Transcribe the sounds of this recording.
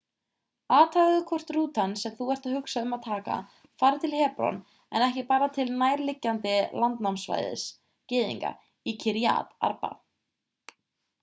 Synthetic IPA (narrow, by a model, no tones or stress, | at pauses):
aːt̪ʰaɣðʏkʰɔr̥t̪ɾuːt̪ansɛmθuɛr̥t̪aðhʏksaʏmaðt̪ʰaːka̰ | faːɾɪt̪ʰɪlhɛːpɾɔ̰n | ɛ̰nɛhcɪpaːɾat̪ʰɪlnaːjɾlɪcːant̪ɪlant̪nawmsva̰jðɪ̰s | cɪːðḭŋka̰ | icʰiɾja̰ːt̪a̰ɾpa̰